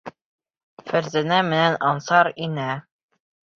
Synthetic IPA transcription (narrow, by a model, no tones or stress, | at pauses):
fæɾzænæmɘ̆nænɑnsɑɾinæ